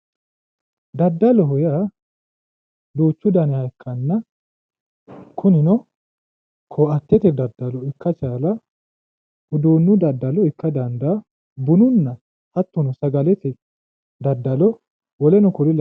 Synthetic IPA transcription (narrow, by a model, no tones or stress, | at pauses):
d̪ɐd̪ːɐlɔɦʊjaː | d̪uːt͡ʃːʊd̪ɐnɛhɐjkʰːɐnːɐ | kʰʊnɪnɔ | kʰɔːʔɐt̪ːɛt̪ɛd̪ɐd̪ːɐlɔɪkːɐt͡ʃaːlɐ | hʊd̪uːnːʊd̪ɐd̪ːɐlɔɪkːɐd̪ɐnd̪a | bʊnʊnːɐ | hɐt̪ːɔnɔsɐɡɐlɛt̪ɛ | d̪ɐd̪ːɐlɔ | wɔlɛnɔkʊlɪl